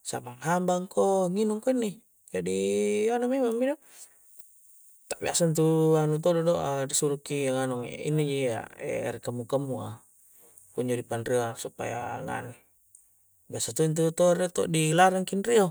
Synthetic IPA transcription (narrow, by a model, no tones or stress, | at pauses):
sa̰maŋɦambaŋkoŋinuŋkoinːi | d͡ʒadianumemaŋbido | t̪aʔbiasant̪̬uanut̪odɔdoʔadisuɾukiaŋanuŋ̰ḭnːid͡ʒia̰ḛɾikamːukamːua̰ | puɲd͡ʒodipanɾiasupa̰ja̰ŋa̰ni | biasat̪uint̪̬ut̪oɾet̪ɔ̰ʔdilaɾaŋkinɾia